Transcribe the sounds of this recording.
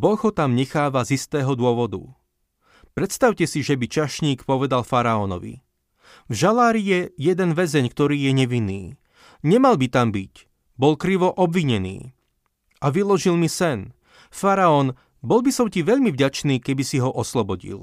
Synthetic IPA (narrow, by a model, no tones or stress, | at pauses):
bɔɣɦɔt̪amɲɛxaːʋazist̪ɛːɦɔd̪ʊɔʋɔd̪ṵ | pɾɛt̪st̪aʊcɛsiʒɛbit͡ʃaʃɲiːkpɔʋɛd̪alfaɾaɔnɔ̰ʋḭ | vʒalaːɾijɛjɛd̪ɛnʋɛzɛɲkt̪ɔɾiːjɛɲɛʋinːiː | ɲɛmalbit̪ambic | bɔlkɾiʋɔʔɔbʋiɲɛnḭː | ʔaʋilɔʒilmisɛn | faɾaɔn | bɔlbisɔmciʋɛʎmivɟat͡ʃniːkɛbisiɦɔʔɔslɔbɔɟḭl